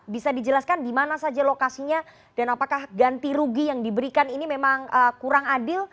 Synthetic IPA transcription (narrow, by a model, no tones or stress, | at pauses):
bisadid͡ʒəlaskandimanasad͡ʒalokasiɲa | d̥anapakahɡant̪iɾuɡijaŋdibəɾikaninimemaŋəkuɾaŋadɪl